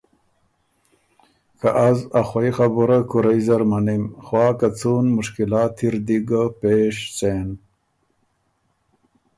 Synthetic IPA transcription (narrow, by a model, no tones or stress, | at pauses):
kaʔazaxwajxabuɾakuɾajzɐɾmanimxwaːkat͡suːnmʊʂkilaːt̪ʰːiɾd̪iɡapeːʂt͡seːn